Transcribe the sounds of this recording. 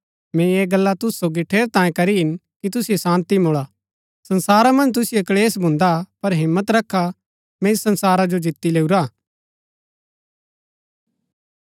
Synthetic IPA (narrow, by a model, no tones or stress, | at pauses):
mɛ̃eːɡɐlːat̪ʊssoːɡiʈʰeːɾt̪ãːjẽkɐɾiɦɪn | kit̪ʊsijesãːnt̪imoɭaː | sɐnsaːɾamɐ̃nd͡ʒt̪̬ʊsɪjekleːsbʱʊ̃nd̪apɐɾɦɪ̃mːət̪ɾɐkʰːa | meːsɐ̃nsaːɾad͡ʒod͡ʒɪt̪ːileːuɾaː